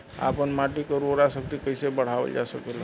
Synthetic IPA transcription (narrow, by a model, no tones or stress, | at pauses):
a̰pəɳmaʈikəɾoɾasək̚t̪ikəjsebəɽ̤aʋə̰ld͡ʒasəkela